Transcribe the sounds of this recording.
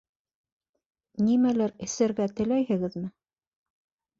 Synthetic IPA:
nimælæɾɘ̆sɘɾɡæt̪ɘ̆læjhɘ̆ɡɘðmɘ

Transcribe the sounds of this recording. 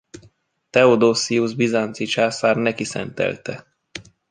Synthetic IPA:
t̪ɛod̪oːsiuzbizant̪sit͡ʃaːsaːrnɛkisɛ̰nt̪ɛ̰lt̪ɛ

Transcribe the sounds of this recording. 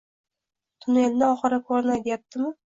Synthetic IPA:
t̪ʰʊnennɪɒχɨɾakʰoɾnajt̪jap̚t̪ɪmɪ

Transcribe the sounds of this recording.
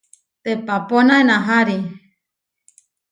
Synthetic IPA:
t̪epaponaenãɦaɾi

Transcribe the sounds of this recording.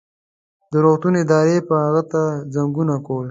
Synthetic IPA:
d̪əɾot̪unɪd̪ɑːɾepəhaɣət̪azaŋɡunakol

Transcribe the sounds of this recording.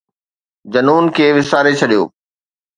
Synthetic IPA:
d͡ʑɐnuːnkʰeːʋɪsaːɾet͡ɕʰɐɗijo̰ː

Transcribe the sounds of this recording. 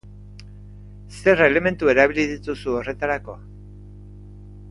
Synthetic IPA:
se̞re̞le̞me̞nt̪ue̞ɾaβiliðit̪usuo̞re̞t̪aɾako̞

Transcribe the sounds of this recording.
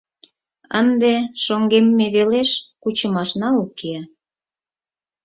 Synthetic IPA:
ə̰nd̪eʃoŋɡemːeβeleʃkut͡ɕəmɑʃnɑuke

